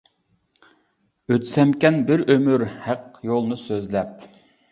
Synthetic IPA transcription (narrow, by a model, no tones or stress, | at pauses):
øt̪sɛmkʲɛnbɪɾømyɾhæqjolˠnɨsøzlɛp̚